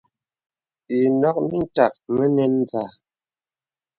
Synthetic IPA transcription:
i˨nɔ˦k̚mi˦n̩˦ta˨k̚mə˦nɛ˦n˦d͡za˨

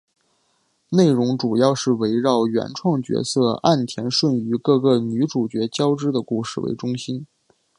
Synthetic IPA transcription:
ne˥˩ɪɻʊ˧˥ŋʈ͡ʂu˨˩jɑ˥˧ʊʂɻ̩˥˩we˧˥ɪɻɑ˥˩ʊɥɛ̰˧˥nʈ͡ʂʰwɑ˥˩ŋt͡ɕɥɛ̰˧˥sɤ˥˧a˥˩nt̪ʰjɛ˧˥nʂwə˥˩ny˧˥kɤ˥˧ɡɤ˥˩ny˧˥ʈ͡ʂu˨˩t͡ɕɥɛ˧˥t͡ɕjɑ˥ʊʈ͡ʂɻ̩˥d̪ə˨ku˥˧ʂɻ̩˥˩wḛ˧˥ɪʈ͡ʂʊ˥ŋɕi˥n

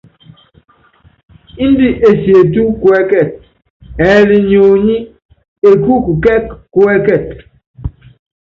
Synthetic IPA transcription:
i˦n˦di˦ʔe˨sje˨t̬u˦kwɛ˦kɛ˦˨t̚ | ɛː˨˦li˨ɲo˨ɲi˦ | e˨ku˦ku˨kɛ˦kkːwɛ˦kɛ˨t̚

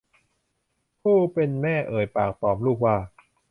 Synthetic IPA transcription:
pʰuː˥˩pe˧nmɛː˥˩ʔɤː˨˩jpa̰ː˨˩k̚t̪ɔː˨˩mluː˥˩k̚waː˥˩

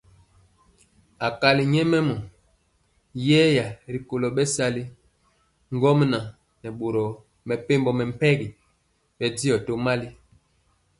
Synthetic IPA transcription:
a˨ka˨li˨ɲɛ˦mɛ˦mɔ˨ | jɛː˦ja˨ɾi˨ko˨lɔ˨ɓɛ˦sa˦li˦ | ŋ˦ɡɔ˦m˦na˨ | nɛ˨ɓo˨ɾɔ˨ | mɛ˨pe˦mbɔ˨mɛ˨m̩˨pɛ˦ɡi˨ | ɓɛ˨di˦ɔ˨to˦ma˦li˦

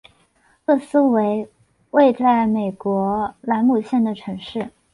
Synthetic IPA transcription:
ɤ˥˩sɹ̩˥we˧˥ɪ | we˥˧ɪt͡sa˥˩ɪme˨˩ɪkwɔ˧˥la˧˥nmu˨˩ɕjɛ˥˩nd̪ə˩ʈ͡ʂʰɤ˧˥ŋʂɻ̩˥˩

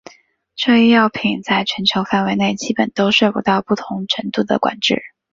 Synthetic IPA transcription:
ʈ͡ʂɤ˥˧i˥˧jɑ˥˩ʊpʰi˨˩˦ŋt͡sa˥˩ɪt͡ɕʰɥɛ˧˥nt͡ɕʰjo˧˥ʊfa˥˩nwe˧˥ɪne˥˩ɪt͡ɕi˥pə˨˩nt̪o˥ʊʂɤ˥˩pu˧˥t̪ɑ˥˧ʊpu˥˩t̪ʰʊ˧˥ŋʈ͡ʂʰə˧˥ŋt̪u˥˩d̪ə̰˩kwa̰˨˩nʈ͡ʂɻ̩˥˩

